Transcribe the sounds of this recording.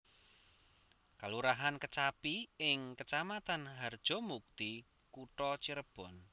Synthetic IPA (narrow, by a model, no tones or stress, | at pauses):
kaluɾaɦankət͡ʃapiɪŋkət͡ʃamat̪anɦard̥ʒ̥ɔ̤muk̚t̪i | kuʈɔt͡ʃiɾəb̥ɔ̤n